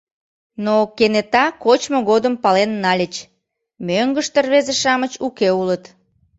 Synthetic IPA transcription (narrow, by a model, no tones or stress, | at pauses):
nokenet̪ɑkot͡ɕmoɣod̪əmpɑlenːɑlʲət͡ɕ | møŋɡəʃt̪ərβezeʃɑmət͡ɕukeulət̪